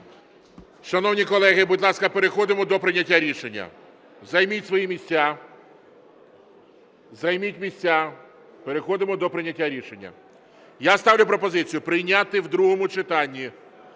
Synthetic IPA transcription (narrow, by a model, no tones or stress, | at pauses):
ʃɐnɔwnʲikɔlˠɛɦɪbudʲlˠɑskɐpe̞ɾexɔd̪ɪmɔd̪ɔpɾɪnʲɐtʲːaɾʲiʃenʲːɐ̰ | zɐjmʲitʲsʋɔjimʲisʲt͡sʲa | zɐjmʲitʲmʲisʲt͡sʲa | peɾexɔd̪ɪmɔd̪ɔpɾɪnʲɐtʲːaɾʲiʃenʲːɐ̰ | jast̪ɑwlʲʊpɾɔpɔzɪt͡sʲijʊpɾɪjnʲat̪ɪwd̪ɾuɦɔmʊt͡ʃɪt̪ɑnʲːi